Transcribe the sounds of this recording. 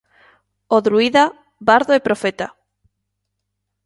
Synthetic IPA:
oðɾuiða | baɾðoepɾofet̪a

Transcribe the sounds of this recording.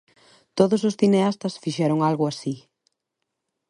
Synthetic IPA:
t̪oðʊsosθineast̪ɐsfiʃɛɾʊŋalɣʊasi

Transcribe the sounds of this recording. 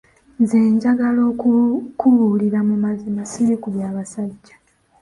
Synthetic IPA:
ze̞ːɲɟaɡalo̞ːkukuβuliɾamumazimasiɾikuβjaːβasaɟːḁ

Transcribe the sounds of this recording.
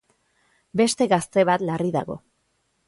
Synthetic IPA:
be̞st̪e̞ɣast̪e̞βat̪lariða̰ɣo̞̰

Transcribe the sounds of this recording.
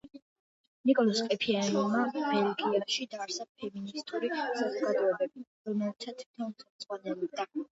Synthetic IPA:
nikʼɔlɔskʼɛpʰianɔmabɛɾɔɡiɛbʃid̪aɾsapʰɛminist̪ʼuɾisazɔɡad̪ɔɛbɛbi | ɾɔmɛlt̪ʰat̪ʰwit̪ʰɔnχɛmd̪z̥ʁwanɛlɔb̚d̪a

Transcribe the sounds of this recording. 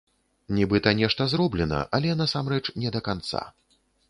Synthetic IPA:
nʲɛbɨt̪ɐnʲɛʂt̪ɐzɾɔblʲɛnɐ̰ʔalʲɛnasamrɛt͡ʂnʲɛd̪ɐkant̪sa̰

